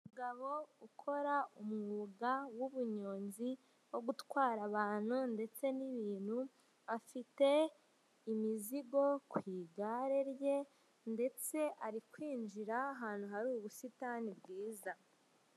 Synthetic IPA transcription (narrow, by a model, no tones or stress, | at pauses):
umuɡaβo̞ukʰo̞ɾaumŋuːɡawuβuɲoːnzi | wo̞ɡutwaːɾaβaːn̥hunde̞t͡se̞niβiːn̥hu | βafite̞ | imiziɡo̞kwiːɡaɾe̞ɾje̞ | nde̞t͡se̞ʔaɾikwiːnd͡ʒiɾaːɦaːn̥uɦaɾuːβusitanibɡiːza